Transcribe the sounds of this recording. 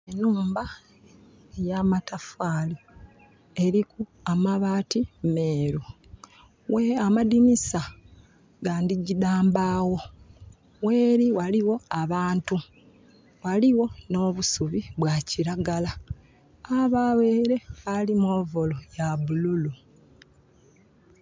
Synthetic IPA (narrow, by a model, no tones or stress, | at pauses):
enuːmba | ejamatafaːli | e̞ɾiku | amaβaːtime̞ːɾu | weamadinisa | ɡaːndiɟidaːmbaːwo̞ | we̞ːɾiwaliwo̞aβaːntu | waliwo̞no̞ːβusuβiβwaciɾaɡala | aβaweːɾe̞βalimoːvolojaβululu